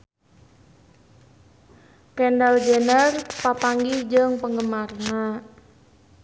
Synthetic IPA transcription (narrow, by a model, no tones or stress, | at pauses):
kɛndald͡ʒɛnərpapaŋɡid͡ʒəŋpəŋɡəmarna